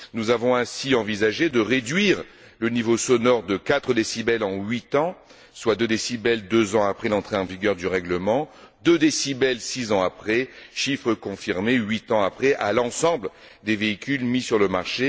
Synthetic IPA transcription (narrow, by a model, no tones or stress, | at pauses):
nuzavɔ̃ɛ̃siɑ̃vizaʒed̪əʁed̪ɥiʁ | lənivosɔnɔʁd̪əkat̪χəd̪esibɛlɑ̃ɥit̪ɑ̃ | swad̪ød̪esibɛld̪øzɑ̃apχɛlɑ̃t̪χeɑ̃viɡʲœʁd̪yʁɛɡləmɑ̃ | d̪ød̪esibɛlsizɑ̃apχɛʃifχəkɔ̃fiʁmeɥit̪ɑ̃apχɛʔalɑ̃sɑ̃bl | d̪eveikʲylmisyʁləmaʁʃe